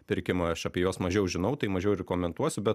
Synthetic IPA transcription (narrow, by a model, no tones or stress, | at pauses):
pʲɪɾʲkʲɪmɐɐʃɐpʲiɛjuɔsmɐʒʲɛʊʒʲɪnɐʊt̪ɐɪmɐʒʲɛʊɾʲkoːmʲɛnt̪uɔsʲʊbʲɛt̪